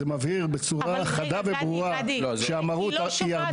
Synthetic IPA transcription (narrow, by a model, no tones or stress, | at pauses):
emavhiʁbet͡suʁaχad̪avebʁuʁa | ʃeamaʁut̪iaʁd̪